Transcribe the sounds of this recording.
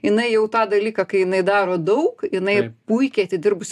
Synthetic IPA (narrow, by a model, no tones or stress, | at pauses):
jɪnɐɪjɛʊt̪ɑːd̪ɐlʲiːkɐkɐɪjɪnɐɪd̪ɑːɾoːd̪ɐʊkjɪnɐɪpuɪkʲeɐt̪ʲɪdʲɪrbʊsʲ